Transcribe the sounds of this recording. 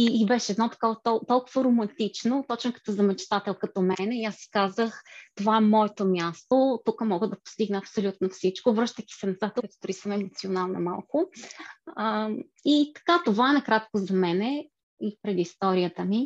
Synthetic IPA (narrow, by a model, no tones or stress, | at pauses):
iːbɛʃɛːd̪nɔt̪ɐ̥kɔvɐt̪ɔt̪ɔlˠkʊvəɾomɐnt̪it͡ʃnot̪ɔt͡ʃ̪kə̥t̪əzɐmɛt͡ʃt̪at̪ɛlˠkɐt̪ɔmɛnɛiasːi̥kazəxt̪ovaɛmɔɛt̪omʲjast̪ot̪ukəmɔɡəd̪ɐpo̥st̪iɡnɛɐpsolʲut̪nofsit͡ʃkovɾɤʃt̪əkʲi̥sɛnɐzat̪ɛɛo̥d̪ʊɾisəmɛmot̪sionalˠnɐma̰lˠkʊ | it̪ɐ̥kat̪ovaɛnɐkɾat̪kozɐmɛnɛ | ipɾɛd̪ist̪ɔɾiət̪əmi